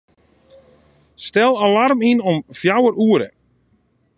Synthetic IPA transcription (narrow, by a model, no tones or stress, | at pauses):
stɛlˠalarminɔmfjawəɾuəɾə̰